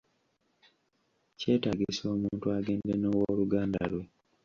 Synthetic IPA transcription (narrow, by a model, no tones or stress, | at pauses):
ce̞ːtaɡiso̞ːmuːntuaːɡe̞ːndenowoːluɡaːnda̰lwe̞